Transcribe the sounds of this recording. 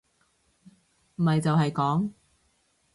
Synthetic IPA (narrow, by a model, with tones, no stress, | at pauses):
m̩˨˩hɐ˨jt͡sɐ˨wɦɐ˨jkɔː˨˥ŋ